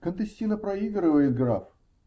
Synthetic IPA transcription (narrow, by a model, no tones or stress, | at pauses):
kənt̪ɨsʲtʲinəpɾɐiɡɾɨvəjɪt̪̚ɡɾaf